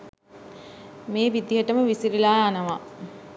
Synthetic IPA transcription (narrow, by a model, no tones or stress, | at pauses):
meːʋid̪iɦəʈəməʋisiɾilaːanəʋa